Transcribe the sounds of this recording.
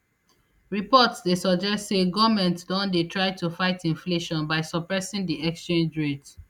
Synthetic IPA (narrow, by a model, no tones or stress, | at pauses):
ɹipɔtsdesɔd͡ʒɛstseɡɔvmɛ̃ntdɔ̃ndetʰɹaɪtufaɪtʰĩnfleʃɔ̃nbaɪsɔpɹɛsĩŋdiɛkst͡ʃẽnd͡ʒɹed